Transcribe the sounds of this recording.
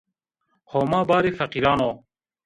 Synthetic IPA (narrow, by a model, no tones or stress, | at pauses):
hoːmaːbaːɾifɐqiɾɑːnoː